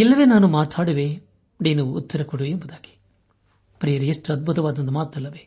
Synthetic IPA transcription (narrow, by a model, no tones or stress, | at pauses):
ilːɐʋeːnaːnumaːt̪ʰaːɽɐʋeː | niːnuut̪ːɐɾɐkɔɽuʋembud̪aːɡi̥ | pɾijɐɾuesʈuɐd̪̚bʱut̪ɐʋaːd̪ɐnd̪ɐmaːt̪ːɐlːɐʋeː